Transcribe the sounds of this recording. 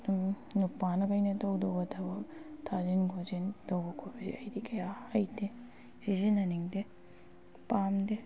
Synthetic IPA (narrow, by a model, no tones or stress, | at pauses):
nupːanɐkɐjnɐtɐwdowbɐtʰɐbɐtʰazinɡʰozintɐwbɐkʰobɐsḭɐjdikɐjaɐjde | sizinɐniŋde | pamde